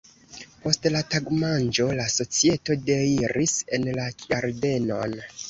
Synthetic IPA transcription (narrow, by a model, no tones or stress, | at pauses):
po̞stlataɡmand͡ʒo̞laso̞t͡sie̞to̞deiɾise̞nlakaɾde̞no̞̰n